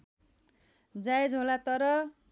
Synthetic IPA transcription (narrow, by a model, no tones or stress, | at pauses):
d͡zaed͡zɦolat̪ʌɾʌ